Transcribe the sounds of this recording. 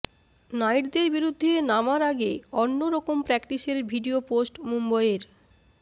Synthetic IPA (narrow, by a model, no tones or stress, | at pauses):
najʈd̪eɾbiɾud̪ʱːenamaɾaɡeonːoɾɔkompɾɛkʈiʃeɾbʱiɖioposʈmumbajeɾ